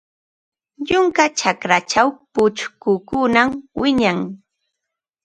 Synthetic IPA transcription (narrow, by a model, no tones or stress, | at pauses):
ʎʊŋkat͡ʃakɾat͡ʃawpʊt͡ʃkʊkʊnamwɪɲaŋ